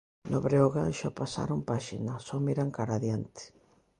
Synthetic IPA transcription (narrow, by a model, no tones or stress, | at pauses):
noβɾeoɣanʃopasa̰ɾompaʃinasɔmiɾaŋkaɾaðjant̪ɪ̥